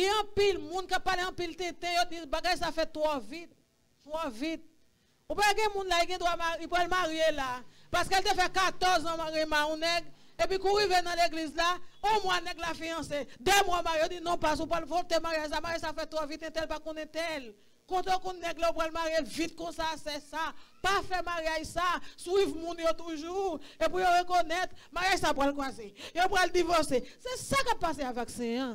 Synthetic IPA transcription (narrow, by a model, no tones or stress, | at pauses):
ɛɐ̃pilmũnkap̚pːaleɐ̃pilt̪et̪ɛ̃jod̪ibaɡajsafɛt̪wɔvit̪̚ː | wɔvit̪̚ | upaɡɛ̃mũnlaiɡɛ̃d̪wamaipʁalmaʁijelapaskelt̪efɛkat̪ɔʁzãmaʁimaũnɛɡ | epikũʁivenɐ̃leɡlizlaɔ̃mwanɛɡlafijɐ̃sed̪ɛmwamaejodinɔ̃pas̬upɣalvot̪emaʁjaʒs̬amaɣjajsafɛt̪wavit̪ɛ̃t̪ɛlpakɔ̃nɛ̃t̪ɛl | kõt̪okɔ̃nːɛɡlaopɣalmaʁjelvit̪̚kɔ̃sasɛsapafɛmaʁjaʒsaswivmũnjot̪uʒuep̬ujoʁekonɛt̪maʁjaʒsapɣalkwazejopɣald̪ivɔsesɛsakappːaseavaksɛ̃ã